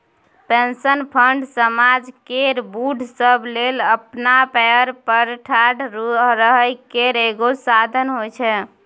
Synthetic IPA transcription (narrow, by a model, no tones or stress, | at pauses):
pẽnsənpʰəɳɖsəmad͡ʒkeɾbuɖʱsəbleləpnapɛəɾpəɾʈʰaɖɾuɾəɦəjkeɾeɡosad̪ʱənɦojt͡ʃʰɛ